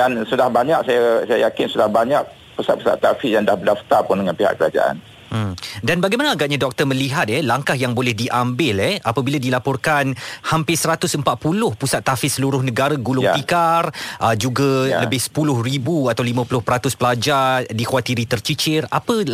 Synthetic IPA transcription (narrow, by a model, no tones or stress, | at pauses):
dansudahbaɲaʔ̚sajasajajakɪnsudahbaɲak̚ | pusat̪̚pusa̰t̪ːafijaŋdahbədaft̪arpʊndəŋãnpiɦa̰ʔkəɾad͡ʒa̰ʔa̰n | danbaɡajmanaːɡaʔ̚ɲãdɔk̚t̪ərmə̃liɦat̪̚ɛlaŋkahjaŋbolɛhdiʔambɪlɛapabiladilapɔrkanhampɪsəɾat̪ʊsəmpat̪̚pulʊhpusat̪ːafɪsːəluɾʊhnəɡaɾaɡulʊŋp̪ikarʔəd͡ʒuɡaləbɪhsə̥pulʊhribuat̪awlimãpulʊhpəɾat̪ʊspəlad͡ʒarrdikwat̪iɾit̪ərt͡ʃit͡ʃɪrapə